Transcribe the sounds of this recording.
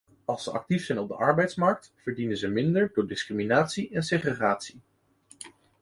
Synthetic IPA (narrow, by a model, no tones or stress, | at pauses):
ɑlˠsəʔɑ̰k̚tifsɛjnɔb̚dəʔɑɹbɛjtsmɑɹk̚tv̥əɹdinənzəmɪndəɹdʊːɹdɪskriminaːtsiʔɛnseχeχaːtsi